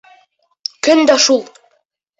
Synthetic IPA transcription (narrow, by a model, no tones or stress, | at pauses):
kɵnd̪æʃulˠ